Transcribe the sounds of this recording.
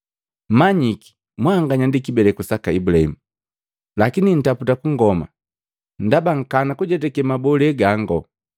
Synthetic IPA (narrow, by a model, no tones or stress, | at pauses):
m̩maɲiki̥ | mwaːŋɡaɲandikibɛlɛkusakaibulaḭmu | lakinin̩taputakuŋɡɔma̰ | n̩dabaŋ̩kanakuɟɛdɛkɛmabɔlɛɡaŋɡɔ